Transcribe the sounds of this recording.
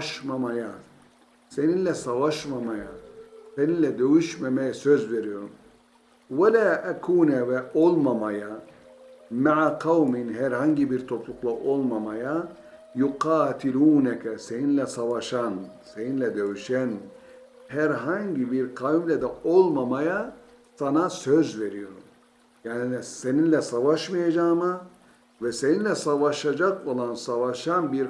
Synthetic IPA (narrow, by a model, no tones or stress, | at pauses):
ʃmamaja | se̞ninlʲɛsavaʃmamajase̞ninlʲɛd̪øjyʃmemejɛsøzve̞ɾijo̞ɾum | walaːʔækʰuːnɛvɛʔo̞lˠmamaja | maʕaqʰawmɪnɦæɾhaɲɟibiɾt̪ʰo̞plˠuklˠaʔo̞lˠmamaja | juqɑːt̪ʰiluːnækɛse̞ninlʲɛsavaʃanse̞ninlʲɛd̪eviʃæn | hæɾɦaɲɟibiɾqʰaimlʲɛd̪ɛo̞lˠmamaja | sanasøzve̞ɾijo̞ɾum | jaːniise̞ninlʲɛsavaʃmajad͡ʒaːmɯ | vɛse̞ninlʲɛsavaʃad͡ʒako̞lˠansavaʃanbiɾ